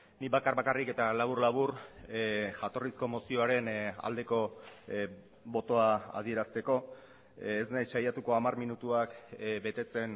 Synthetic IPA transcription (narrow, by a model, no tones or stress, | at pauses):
niβakarβakarike̞t̪alaβ̞urlaβ̞uɾ | ʝat̪o̞risko̞mo̞sio̞aɾe̞na̰ld̪e̞ko̞ | bo̞t̪o̞aa̰ð̞ie̞ɾast̪e̞ko̞ | esnajsʃajat̪uko̞amarminut̪uakbe̞t̪e̞t͡se̞n